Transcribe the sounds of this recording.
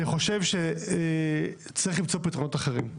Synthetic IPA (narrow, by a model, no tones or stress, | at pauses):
niχo̞ʃe̞vʃe | t͡siχlimt͡so̞pit̪ʁonot̪aχeʁim